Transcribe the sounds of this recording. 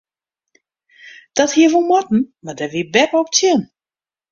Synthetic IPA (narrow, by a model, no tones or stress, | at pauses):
d̥ɔthiəʋulˠmɔtn̩madɛʋiəbɛpəɔp̚t͡sʰjɪn